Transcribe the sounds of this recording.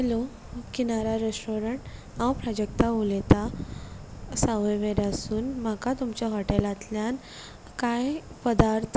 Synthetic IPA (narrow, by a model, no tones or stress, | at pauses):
ɦɛlo | kinaɾaɾesʈoɾəɳʈ | ãwpɾad͡ʑek̚t̪aulet̪a | saʋəʋeɾasuːnm̤akat̪umt͡ɕaɦɔʈelat̪ljan | kajpəd̪aɾt̪ʰ